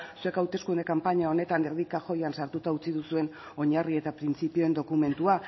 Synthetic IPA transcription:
sue̞kawt̪e̞skund̪e̞kampaɲao̞ne̞t̪aneɾðikaxo̞jansaɾt̪ut̪aut͡siðusue̞n | o̞ɲarie̞t̪apɾint͡sipio̞e̞nd̪o̞kume̞nt̪ua

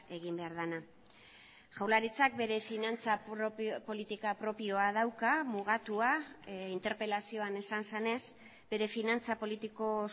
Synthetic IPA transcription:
e̞ɣimbe̞aɾð̞ana | ʝawlaɾit͡sak̚be̞ɾe̞finant͡sapo̞lit̪ikapɾo̞pio̞að̞awkamuɣ̞at̪uaint̪e̞ɾpe̞lasio̞ane̞sanse̞ne̞s | b̥e̞ɾe̞finant͡sapo̞lit̪iko̞

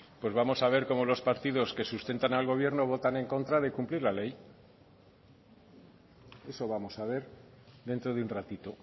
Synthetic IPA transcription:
pwe̞zβamo̞saβ̞e̞ɾko̞molo̞spaɾt̪iðo̞ske̞sust̪e̞nt̪analɣ̞o̞β̞je̞ɾno̞β̞o̞t̪ane̞ŋko̞nt̪ɾaðe̞kumpliɾlale̞j | e̞so̞βamo̞saβ̞e̞ɾ | ðe̞nt̪ɾo̞ðeunrat̪it̪o̞

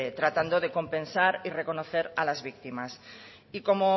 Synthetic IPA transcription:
et̪ɾat̪and̪oð̞e̞ko̞mpẽ̞nsaɾire̞ko̞noθe̞ɾalazβik̚t̪imas | iko̞mo

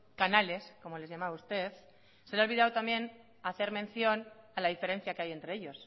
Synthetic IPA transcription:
kanale̞sko̞mo̞le̞zʝamaβaust̪e̞θ | se̞leo̞lβiðawt̪ambjẽ̞n | aθe̞ɾmẽ̞nθjo̞nalaðife̞ɾe̞n̟θjakeaje̞nt̪ɾe̞eʎo̞s

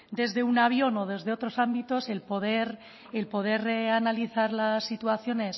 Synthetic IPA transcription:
d̪e̞zðe̞unaβ̞jo̞no̞ð̞e̞zðe̞o̞t̪ɾo̞sambit̪o̞se̞lpoðeɾ | elpo̞ð̞e̞rre̞analiθaɾlasːit̪uaθjo̞ne̞s

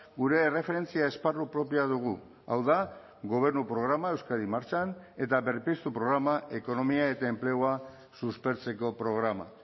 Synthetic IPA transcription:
ɡuɾe̞re̞fe̞ɾe̞nt͡siae̞sparupɾo̞piaðuɣ̞u | a̰wða | ɣo̞β̞e̞ɾnupɾo̞ɣ̞ɾamae̞wskaɾimaɾt͡ʃane̞t̪aβe̞ɾpist̪upɾo̞ɣ̞ɾamae̞ko̞no̞miae̞t̪ae̞mple̞oa | suspe̞ɾt͡se̞ko̞pɾo̞ɣɾama̰

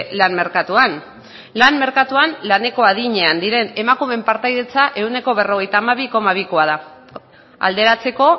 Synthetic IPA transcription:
lanme̞ɾkat̪uan | lanme̞ɾkat̪uanlane̞ko̞aðiɲe̞and̪iɾe̞ne̞makume̞mpaɾt̪ajðe̞t͡saʔe̞wne̞ko̞βe̞ro̞ɣ̞e̞jt̪aːmaβiko̞maβ̞iko̞að̞a | a̰ld̪e̞ɾat͡se̞ko̞

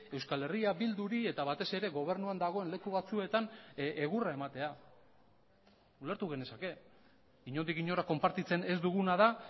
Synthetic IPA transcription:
e̞wskale̞riaβild̪uɾie̞t̪aβat̪e̞se̞ɾe̞ɣo̞β̞e̞ɾnuand̪aɣ̞o̞e̞nle̞kuβat͡sue̞t̪anʔeɣurae̞mat̪e̞a | ule̞ɾt̪uɣ̞e̞ne̞sake̞ | iɲo̞nd̪ikiɲo̞ɾako̞mpaɾt̪it͡se̞ne̞zd̪uɣ̞unað̞a

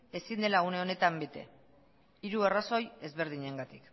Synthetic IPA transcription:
e̞sind̪e̞laune̞o̞ne̞t̪ambe̞t̪e̞̰ | iɾueraso̞je̞zβe̞ɾð̞iɲeŋɡat̪ik

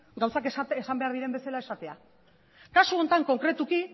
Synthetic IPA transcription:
ɡawsakeesambe̞aɾðiɾe̞mbe̞selae̞sat̪e̞a̰ | kasuo̞nt̪aŋko̞ŋkɾe̞t̪uki

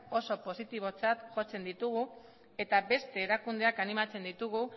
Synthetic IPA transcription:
o̞so̞po̞sit̪iβ̞o̞t͡sat̪ʝo̞t͡se̞nd̪it̪uɣu | e̞t̪abe̞st̪e̞ːɾakund̪e̞akanimat͡se̞nd̪it̪uɣ̞u

